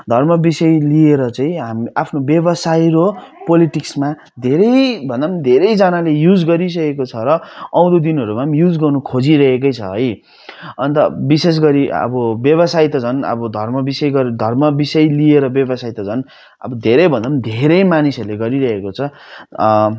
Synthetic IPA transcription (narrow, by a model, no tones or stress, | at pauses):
d̪ʱʌrmʌbisʌjlieɾʌt͡sãĩɦamiapʰnobjʌbʌsajɾopoliʈiksma | d̪ʱeɾʌjbʱʌnd̪amnid̪ʱeɾʌjd͡zanalejud͡zɡʌɾis̬ʌkekot͡sʰʌɾʌʌw̃ɾud̪inɦʌɾumamjud͡zɡʌrnukʰod͡ziɾʌɦek̬ʌjt͡sʰʌɦʌj | ʌnt̪ʌbises̬ɡʌɾiʌ̰bʌbjʌβʌsajt̪ʌd͡zʱʌnʌ̰bʌd̪ʱʌrmʌbisʌjɡʌɾd̪ʱʌrmʌbisʌjlieɾʌbjʌbʌsajt̪ʌd͡zʱʌn | ʌ̰bʌd̪ʱeɾʌjbʱʌ̃nd̪amnd̪ʱeɾʌjmanisʌɾuleɡʌɾiɾʌɦekot͡sʰʌ